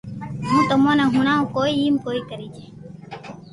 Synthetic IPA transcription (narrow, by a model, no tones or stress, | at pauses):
ɦũːt̪əmõːnẽːɦũnãːõːkoːiːiːmkoːiːkəɾiːd͡ʒeː